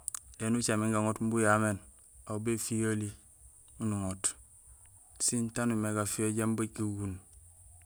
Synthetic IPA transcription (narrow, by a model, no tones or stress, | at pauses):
enut͡ʃamiŋɡaŋotmbujamen | aubefijali | unuŋot | sintanumeɡafijoɟembakiɡun